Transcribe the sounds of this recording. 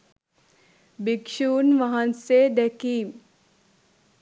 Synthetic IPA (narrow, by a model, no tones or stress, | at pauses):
bikʃuːnʋɐɦɐnseːd̪ɛkiːm